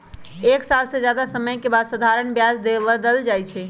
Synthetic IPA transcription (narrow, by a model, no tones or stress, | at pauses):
eksalsed͡ʒjad̪asəməjkebad̪səd̪ʱaɾəɳbjad͡ʒd̪ebəd̪əld͡ʒajt͡ʃʰɛ